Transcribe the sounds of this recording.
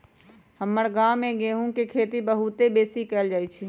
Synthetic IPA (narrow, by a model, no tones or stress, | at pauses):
həməɽɡaːmẽɡeːɦũkekʰeːt̪ibəɦut̪ebeːsikɛːld͡ʒaːjt͡ʃʰi